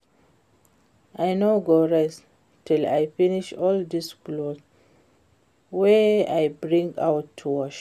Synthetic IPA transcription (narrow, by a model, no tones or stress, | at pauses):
ʔajnoɡoɹɛs | tʰila̰jfiniʃɔld̪isklos | weajbɹĩŋɡawtʰːuaʃ